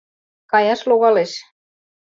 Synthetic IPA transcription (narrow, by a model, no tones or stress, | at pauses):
kɑjɑʃloɣɑleʃ